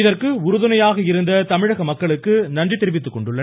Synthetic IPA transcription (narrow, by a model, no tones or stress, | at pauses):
ɪðɐrkɯʊɾʊðɯnɐjaːɣɐɪɾɯnd̪ɐt̪ɐmɪɻɐɣɐmɐkːɐɭɯkːɯnɐndrit̪ːɪɾɯʋɪt̪ːɯkːɔɳɖɯɭːɐ